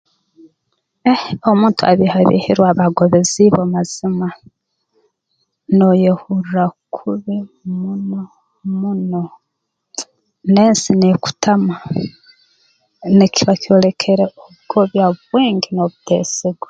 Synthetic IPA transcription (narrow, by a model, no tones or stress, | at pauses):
eomuːntua̰βihaβḭhḭɾwaβaɡoβeziβomaz̥ima | nojehuɾuɾakʰuβimuno | muno | neːnsineku̥tama | nikiβako̞le̞kʰe̞ɾeoβɡoβjaβweːŋɡinoβutḛːseɡwe